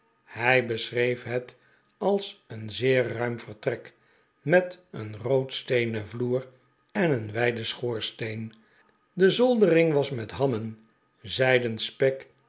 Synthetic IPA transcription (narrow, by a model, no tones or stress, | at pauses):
hɛjbəsrejfɦɛt | ɑlˠsənzɪːɹːœɥmfərtrɛk | mɛtənrowtstejnəvluːr | ɛnənʋɛjdəsχʊːɹstejn | dəzolˠdərɪŋʋɑsmɛtɦɑmən | zɛjdənspɛk